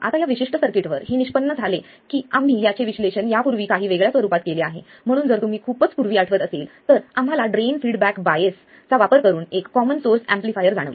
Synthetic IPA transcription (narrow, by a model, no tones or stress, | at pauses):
a̰t̪ajaʋiɕiʂʈəsəɾkiʈʋəɾheniɕpənːəd͡zʱale | kiːamːiːjat͡ɕeʋiɕleɕənjapuɾʋiːkaɦiːʋeɡɭjasʋəɾuːpat̪̚keleaɦḛ | m̤əɽ̃uːnd͡zəɾt̪um̤iːkʰuːpət͡spuɾʋiːaʈʰəʋət̪əseːlt̪əɾam̤alaɖɾenfiɽbækbajes | t͡saʋapəɾkəɾuːnekːɔmənsoɾsæ̃mplifajəɾd͡zaɽə̰ʋlə